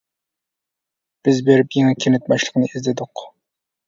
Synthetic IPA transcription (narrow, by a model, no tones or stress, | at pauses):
b̥ɪzbeɾɪpjeŋɨkʲʰenɪt̪̚mɑʃlˠə̥qənɨʔizd̪ɪd̪ʊq